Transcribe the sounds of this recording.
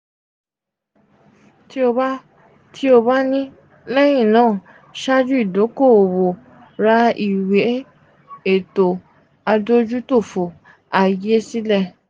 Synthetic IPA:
ti˦o˧ba˦ | tʰi˦o˧ba˦nĩ˦ | lɛ˦j̃ĩ˦˨nãː˦˨ | ʃa˦d͡ʒu˦i˦˨do˨˦ko˦˨o˨wo˨ | ɾa˧˦i˨we˨˦ | e˦˨to˨ | a˧do˦d͡ʒu˦to˦˨fo˨ | a˨je˨˦si˦lɛ˦˨

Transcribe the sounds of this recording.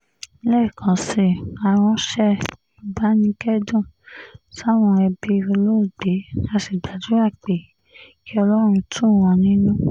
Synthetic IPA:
lɛ˦˨kʰã˨˦si˧˨a˧w̃ɔ̃˧ʃɛ˦ | o˧ba˦nĩ˧˦kɛ˦dũ˦˨sa˦˨w̃ɔ̃˧ɛ˧bi˧o˧lo˦u˦˨ɡ͡be˨˦a˧si˨ɡ͡ba˨du˨˦a˦˨k͡pe˨ | kʰi˦ɔ˧lɔ˦ɾ̃ũ˧tʰũ˦˨w̃ɔ̃˧nĩ˦nũ˦

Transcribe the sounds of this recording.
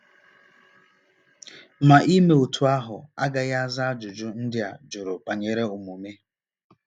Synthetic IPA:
ma˨ʔi˦me˨o˨tʰu˨a˦ɦʊ˨a˦ɡa˨ɣa˦a˦za˦a˦d͡ʒʊ˨d͡ʒʊ˦n̩˦dɪ˦a̰˨d͡ʒʊ˨ɾʊ˨pa˨ɲe˨ɾe˦u˨mu˨me˦

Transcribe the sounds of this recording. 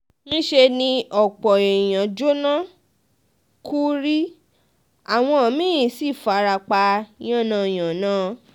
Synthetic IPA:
nĩ˦ʃe˧nĩ˧ʔɔ˨k͡pɔ˨e˨j̃ã˨d͡ʒo˦nã˦ | kʰu˦ɾi˦ | a˨w̃ɔ̃˧ɔ˨mĩ˦ĩ˨˦si˦˨fa˨˦˧ɾa˧k͡pa˧j̃ã˦˨nã˧˨j̃ã˨nãː˨˦

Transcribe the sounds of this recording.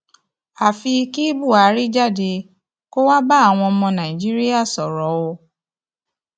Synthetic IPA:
a˨fi˧ki˦bu˦˨a˨˦ɾi˦d͡ʒa˦˨de˧ | ko˦wa˦ba˦a˦˨w̃ɔ̃˧ɔ˧mɔ̃˧nã˨ĩ˨d͡ʒi˦ɾi˦a˦˨sɔ˨ɾɔ˨˦wo˧

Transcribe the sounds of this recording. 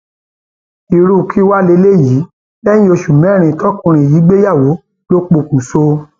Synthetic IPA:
i˨ɾu˦˧kʰi˦wa˦le˧˦le˦˨ji˨˦ | lɛ̃˦ĩ˦o˧ʃu˨mɛ̃˨˦˨ɾ̃ĩ˧˨tʰɔ˦kũ˧ɾ̃ĩ˧˨ji˨˦ɡ͡be˦ja˦˨wo˨˦ | lo˦k͡po˧˨kũ˨so˧

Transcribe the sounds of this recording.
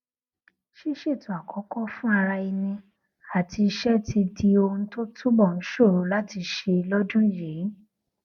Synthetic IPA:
ʃi˦ʃe˦˨tõ˨˦a˨kʰɔ˨˦kɔ˦fũ˦a˧ɾa˧i˧nĩ˧ | a˨ti˧i˧ʃɛ˦ti˧di˧o˧ũ˧to˦tʰu˦bɔ˦˨n̩˨˦ʃo˦˨ɾo˨˦la˦ti˧ʃe˧lɔ˦dũ˦je˨˦

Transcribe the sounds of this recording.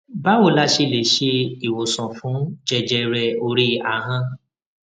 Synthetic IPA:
ba˦wo˨la˦ʃe˦˨le˨ʃe˦i˨wo˨sɔ̃˨fũ˨˦d͡ʒɛ˧d͡ʒɛ˧ɾɛ˧o˧ɾi˦a˨ɦã˦

